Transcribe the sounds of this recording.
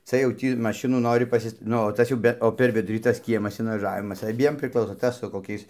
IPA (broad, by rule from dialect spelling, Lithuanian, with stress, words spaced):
ˈt͡sɐ jɛʊ ˈtʲiː mɐˈʃʲɪnuː ˈnoːrʲɪ pɐˈsʲɪs ˈnʊ oː ˈtɐs jɛʊ ˈbʲɛ oː pʲɛr ˈʋʲɪdʊrʲiː tɐs ˈkʲiɛmɐs ɪnʋɐˈʒɑːʋʲɪmɐs ɐˈbʲiɛm pʲrʲɪˈklˠɐʊsoː ˈtɐs sʊ koːˈkʲɛɪs